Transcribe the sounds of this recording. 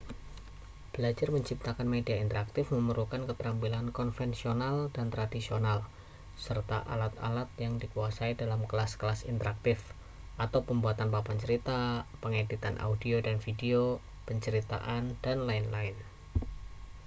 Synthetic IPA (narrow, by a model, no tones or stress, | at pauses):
b̥əlad͡ʒarməɲt͡ʃip̚t̪akanmediaint̪əɾak̚t̪ɪfməməɾukankət̪əɾampilankɔnfɛnsionaldant̪ɾadisional | sərt̪a̰ʔa̰lat̪a̰lat̪̚jaŋdikuasaidalamkəlasklasḭnt̪əɾak̚t̪ɪf | ʔat̪awpəmbuat̪anpapaɲt͡ʃəɾit̪apəŋadit̪anʔa̰udiodanfideo | pəɲt͡ʃəɾit̪a̰ʔand̥anlaɪnlaɪn